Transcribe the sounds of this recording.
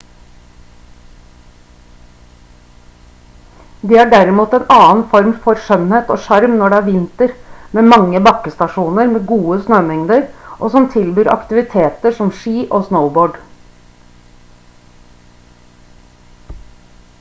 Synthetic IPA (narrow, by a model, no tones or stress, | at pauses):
d̪eːæːɖæɾɪmuːt̪ɛːnɑːnfɔɾmfɔɾʂœnheːt̪o̰ːʂɑɾmnɔɖɛæːɾʋɪnt̪əɾmeːmɑŋːəbɑkːəst̪ɑʂuːnəɾmeːɡuːəsnøːmɛŋd̪əɾʔoːsɔmt̪ʰɪlbyːɾʔɑ̰kt̪ɪʋɪt̪ʰeːt̪əʂɔmʃiːʔoːsnəʊboːɖ